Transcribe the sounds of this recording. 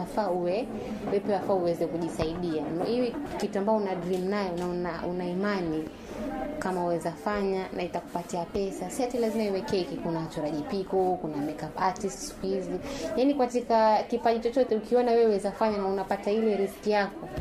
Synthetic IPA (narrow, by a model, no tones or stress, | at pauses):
afauwɛ | wɛpɛwafaːuwɛzɛkuʄisaiɗianaiwikituambaɔunadɾimnajɔnaunaunaimani | kamauwɛzafaɲanʔaitaku̥patiapɛsasihatilazimaiwɛkɛikikunat͡ʃɔɾaʄipikɔkunamɛkapatistsu̥kuizijanikatikakipaɗit͡ʃɔt͡ʃɔtɛukiɔnawɛwuwɛzafaɲanaunapatailɛɾiskijakɔ